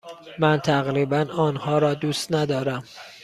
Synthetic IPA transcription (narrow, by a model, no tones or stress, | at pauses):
mænt̪ʰæɣɾiːbænɒːnhɒːɾɒːd̪uːst̪næd̪ɒːɾæm